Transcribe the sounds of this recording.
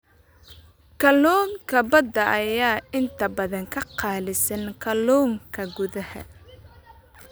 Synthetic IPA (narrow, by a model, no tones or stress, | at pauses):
kʰɐlɔːŋkʰɐbɐd̪ɐʔɐjaːɪnt̪ʰɐbɐðɐŋkʰɐqɑːlɪsɐnkʰɐlɔːŋkʰɐɡʊðɐhɐ̰